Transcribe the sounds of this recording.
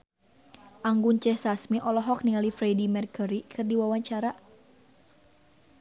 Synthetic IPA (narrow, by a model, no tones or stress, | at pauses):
ʔaŋɡunt͡ʃɛhsasmiʔɔlɔɦɔk̚niŋalifɾɛdimɛrkəɾikʰɨrdiwawaɲt͡ʃaɾa